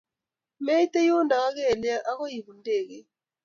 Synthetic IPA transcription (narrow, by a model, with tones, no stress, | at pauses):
mɛ˦i˦tɛ˦jo˦nda˨ɣa˦ɣɛ˦˨lɛ˦ʔa˦ɣo˦ji˨βu˨ndeː˦˨ɣɛ˨